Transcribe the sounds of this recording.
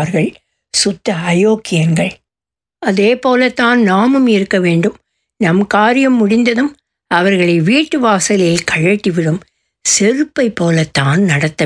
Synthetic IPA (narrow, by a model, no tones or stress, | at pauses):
ɐɾɣɐɭ | sʊt̪ːɐɐjoːkːɪjɐnɡɐɭ | ɐðeːpoːlɐt̪ːaːnnaːmɯmɪɾɯkːɐʋeːɳɖɯm | nɐmkaːɾɪjɐmːʊɽɪnd̪ɐðɯm | ɐʋɐɾɣɐɭɐɪʋiːʈːɯʋaːsɐlɐjɪlkɐɻɐʈːiʋɪɽɯm | sɛɾɯpːɐɪpːoːlɐt̪ːaːnnɐɽɐt̪ːɐ